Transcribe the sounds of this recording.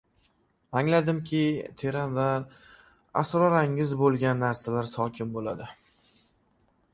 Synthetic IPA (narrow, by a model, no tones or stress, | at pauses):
aŋlad̪ɪmkʲʰɪt̪ʰe̞ɾanva | a̰sɾɒɾaŋɪzbolˠɡʲanːaɾsalaɾsɒkʲʰɪmbolad̪ɪ